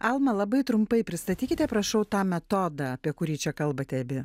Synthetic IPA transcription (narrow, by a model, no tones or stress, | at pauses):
ɑlˠmɐlˠɐbɐɪt̪ɾʊmpɐɪpʲɾʲɪst̪ɐt̪ʲiːkʲɪt̪ʲɛpɾɐʃɐʊt̪ɑːmʲɛt̪oːd̪ɑɐpʲiɛkʊɾʲiːt͡ʃʲɛkɐlˠbɐt̪ʲɛɐbʲɪ